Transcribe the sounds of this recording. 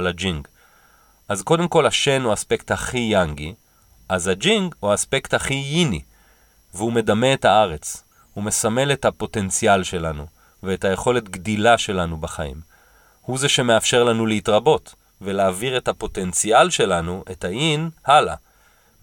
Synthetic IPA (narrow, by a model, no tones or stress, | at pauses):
alad͡ʒiŋɡ | ʔazko̞de̞mko̞laʃe̞nuaspekthaχijaŋɡi | ʔazhad͡ʒiŋɡhuaːspe̞kthaχijini | vehume̞dame̞ːthaaʁe̞t͡s | hume̞same̞le̞thapo̞te̞nt͡sialʃe̞lanu | veːthaje̞χo̞le̞tɡdilaʃe̞lanubaχaḭm | huze̞ʃe̞meafʃe̞ʁlanuleitʁabo̞t | velaːviʁethapo̞te̞nt͡sialʃe̞lanuʔe̞thaʔinhala̰